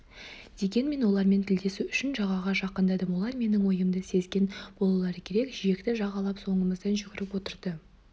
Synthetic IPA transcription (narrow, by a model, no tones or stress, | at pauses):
d̪̥e̞ɡʲe̞nme̞nwolˠɑɾme̞nt̪ʰɪld̪e̞suʏʃɪnʒɑʁɑʁɑʒɑqːənd̪ɑd̪əmwo̞lˠɑɾme̞nɪŋwo̞jəmd̪əse̞zɡʲe̞nb̥olˠɑlˠɑɾəkʲʰe̞ɾe̞kʒije̞kt̪ɪʒɑʁɑlˠɑpso̞ɴəməzd̪ɑnʒʏɡʲɪɾɪpwot̪əɾd̪ə